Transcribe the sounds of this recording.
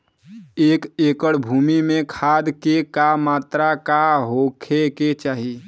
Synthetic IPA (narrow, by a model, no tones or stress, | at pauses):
eːkekəɽbʱumimekʰad̪kekamat̪ɾakaɦokʰeket͡ʃaːɦi